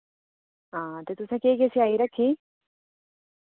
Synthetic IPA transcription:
aːt̪et̪usãkeːkesiaiɾɐkʰːiː

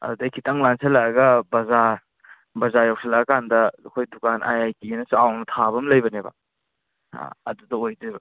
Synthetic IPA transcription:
ɐ̰dudɐjkʰitɐŋlanselaɐɡɐbɐza | bɐzajawsʰelaɡɐkandɐːkʰojdukanʔa̰jajkinɐsuawnɐtʰaβɐmlɐjbɐnebɐ̰ | ɐ̰dudɐojdebɐ

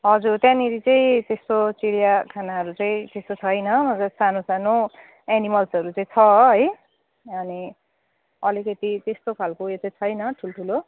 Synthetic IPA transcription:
ɦʌd͡zurt̪jãniɾit͡sʌĩt̪est̪ot͡siɽjakʰanaɦʌɾut͡sʌĩt̪est̪ot͡sʰʌjnʌmʌd͡zʌsanosano | enimʌlsʌɾut͡sʌĩt͡sʰʌɦʌj | ʌni | ʌlikʌt̪it̪est̪okʰalkojetʌit͡sʰʌjnʌʈʰulʈʰulo

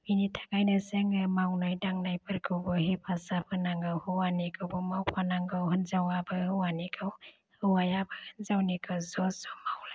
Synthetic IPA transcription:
minitʰḁɡajnaseŋɯmawnajdaŋnajpʰɯɾkʰɯwbɯhipʰasapʰɯnaŋɡɯwhɯwanikʰɯwbɯmawpʰanaŋɡɯwhɯnzawabɯwanikʰɯw | hɯwajabɯhɯnzawnikʰɯwzɔsɔmawlaj

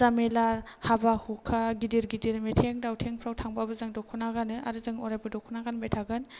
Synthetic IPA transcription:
zamelahabahukʰaɡidiɾɡidiɾmetʰeŋdawtʰeŋpʰɾawtʰaŋbabɯzaŋdɔkʰunaɡanɯa̰ɾɯzaŋɔɾajbadɔkʰunaɡanbajtʰaɡɯn

